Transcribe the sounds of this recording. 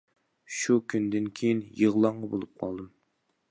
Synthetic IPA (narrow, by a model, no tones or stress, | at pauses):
ʃukʲʰynd̪ɪnkʲʰejinjəʁlˠɑɴʁɑbolˠup̚qʰɑ̰lˠd̪ɨm